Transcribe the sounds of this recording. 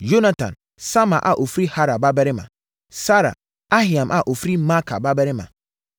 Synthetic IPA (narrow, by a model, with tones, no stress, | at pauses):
d͡ʒo˦na˦tã̰˨n | sa˦ma̰˨ʔa̰˨ʔo˨fɾi˦ha˦ɾa˨ba˦bɛ˦ɾɪ˦mã̰˨ | sa˦ɾa̰˨ | a˦ɦi˨ã˨mʔa˨ʔo˨fɾi˦ma˦kʰa̰˨ba˦bɛ˦ɾɪ˦mã̰˨